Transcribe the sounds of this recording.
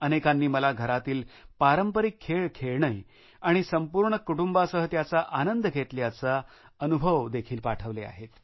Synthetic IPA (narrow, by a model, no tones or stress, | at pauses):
ənekanːiːməlaɡʱəɾat̪iːlpaɾəmpəɾikʰːeɭkʰːeɭɳəj | aɽ̃isəmpuɾɳəkuʈumbasəɦət̪jat͡saʔanənd̪əɡʱet̪ljat͡sa | ənubʱəʋd̪ekʰiːlpaʈʰəʋlea̰ɦet̪